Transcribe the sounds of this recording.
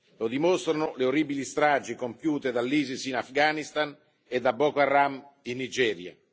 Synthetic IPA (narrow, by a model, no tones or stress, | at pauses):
lod̪imost̪ɾanʊleoribilist̪ɾaːd͡ʒikompjuːt̪ed̪alːiːzisinafɡanist̪an | ed̪abɔkarːaminːid͡ʒɛːɾja̰